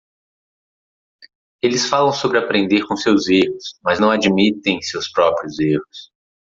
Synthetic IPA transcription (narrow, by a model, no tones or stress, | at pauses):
elɪsfalɐ̃w̃sobɾɪapɾẽnd̪eɾkõsewzehʊsmɐznɐ̃w̃ad͡ʒimit̪ẽj̃sewspɾɔpɾiʊzehʊs